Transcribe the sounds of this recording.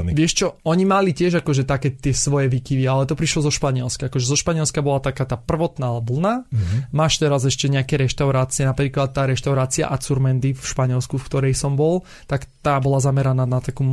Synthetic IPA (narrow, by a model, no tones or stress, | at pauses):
ʋɪɛʃt͡ʃɔɔɲimalicɪɛʒakɔʒɛt̪akɛt̪ɪɛsʋɔjɛʋikiʋialɛt̪ɔpɾiʃlɔzɔʃpaɲɪɛlskaakɔʒɛzɔʃpaɲɪɛlskabɔlat̪akaːt̪aːpr̩ʋɔt̪naːʋl̩namaːʃt̪ɛɾazɛʃcɛɲɛakɛɾɛʃt̪aʊɾaːt͡siɛnapɾiːklat̪̚ːaːɾɛʃt̪aʊɾaːt͡sia̰ʔat͡suɾmɛnd̪ifʃpaɲɪɛlskufkt̪ɔɾɛjsɔmbɔl | t̪akt̪aːbɔlazamɛɾanaːnat̪akuː